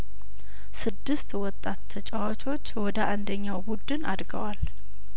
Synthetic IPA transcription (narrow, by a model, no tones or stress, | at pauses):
sɨd̪ːɨst̪wɔt̪ʼːat̪t̪ʰət͡ʃʼawat͡ʃʼo̞t͡ʃːwɔd̪əʔand̪əɲːawbud̪ɨnad̪ɡə̰wal